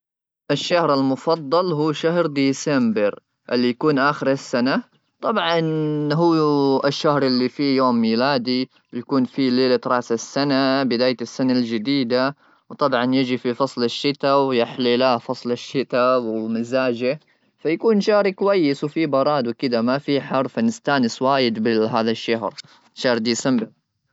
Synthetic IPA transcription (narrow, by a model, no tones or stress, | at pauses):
ʔɪʃːahɾalmʊfɑd̪ˤːɑlɦuːʃaɦɾd̪iːsɛmbɪɾ | ʔɪlːijakuːnʔaːxɪɾɪsːana | t̪ˤɑbʕɑnɦuːɪʃːahɾʔɪlːifijoːmːiːlaːd̪i | wjakuːnfileːlat̪ɾˤɑːsasːanabɪd̪aːjɪsːanald͡ʒɪd̪iːd̪a | wt̪ˤɑbʕɑnjɪd͡ʒififɑsˤlɪʃːɪt̪awjɪħlilaːfɑsˤlɪʃːɪt̪awɪmɪzaːd͡ʒɪ | fajakuːnʃaːɾikwajːɪswfibɑɾˤɑːd̪wkɪd̪amafiħɑɾˤfanɪst̪aːnɪswaːjɪd̪bɪɦaːðaʃːaɦɾ | ʃːahɾd̪iːsambɪ